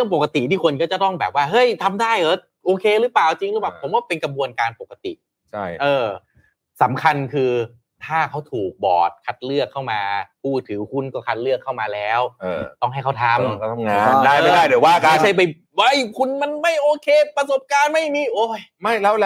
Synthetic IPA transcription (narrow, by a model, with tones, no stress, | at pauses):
ɾɯ˥˩əŋpo˨˩ka˧t̪ḭ˨˩niː˥˩kʰo˧nkɔː˥˩t͡ɕa˨˩t̪ɔ˥˩ŋbɛː˨˩p̚waː˥˩ɦɤ˦˥˩jt̪ʰa˧mdaː˥˩jʔɤː˧˩ | ʔoː˧kʰeː˧ɾɯ˦˥paː˨˩wt͡ɕi˧ŋɾɯ˦˥p̬aː˨˩wpʰo˩˦mwaː˥˩pe˧nka˧mbu˧ənkaː˧npo˨˩kːa˧t̪ḭ˨˩ʔ | t͡ɕʰa˥˩ʔɤː˧ | sa˩˦mkʰa˧nkʰɯː˧ | t̪ʰaː˥˩kʰa˦˥wt̪ʰuː˨˩k̚bɔ̰ː˨˩t̪̚kʰa˦˥t̪̚lɯ˥˩əkʰːa˥˩wmaː˧pʰuː˥˩t̪ʰɯː˩˦kʰu˥˩nkɔː˥˩kʰa˦˥t̪̚lɯ˥˩əkʰːa˥˩wmaː˧lɛː˦˥wːt̪ɔ˥˩ŋɦa˥˩jkʰa˥wt̪ʰa˧˩mʰ˧˥˩a˧ŋaː˧aː˥˩˧aː˥˩jdwaː˥˩ka˧˥˩t͡ɕʰa˥˩jp̬a˧j | wa˧˩jkʰu˧nma˧nma˥˩jʔoː˧kʰeː˧pɾa˧so˨˦p̚kaː˧nma˥˩jmiː˧˥˩ʔoː˧˩ma˥˩jlɛ˧˥˩wlɛ˧